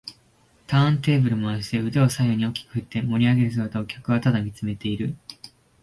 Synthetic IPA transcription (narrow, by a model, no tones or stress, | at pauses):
t̪ʰãːnt̪e̞ːbɯ̟ɾɯ̟moaɕi̥t̪e̞ɯ̟d̪eo̞saioɲ̟io̞kʲi̥kɯ̟̥ɯ̟t̪ːe̞mo̞ɾʲiaɡe̞ɾɯ̟s̬ɨɡat̪ao̞kʲʰakɯ̟βat̪ad̪amʲit͡sɨme̞t̪e̞iɾɯ̟